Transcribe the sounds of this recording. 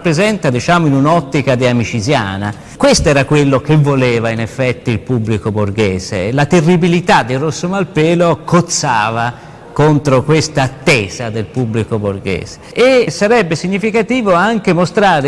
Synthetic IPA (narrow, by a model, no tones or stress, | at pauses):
pːɾezɛnt̪ad̪it͡ʃaːmoinunɔt̪ːikad̪iamit͡ʃizja̰ːna | kwest̪ɛːɾakwelːok̟evːoleːvainefːɛt̪ːiːlpubːlikoborɡɛːzḛlat̪erːibilit̪ad̪ːirosːomalpɛːlokot̪sːaːva | kont̪ɾokwest̪aːt̪ːɛːz̥ad̪elpubːlikoborɡɛ̰ːz̥e̥ː | saɾɛbːesiɲːifikat̪iːvoaŋk̟emost̪ɾaːɾe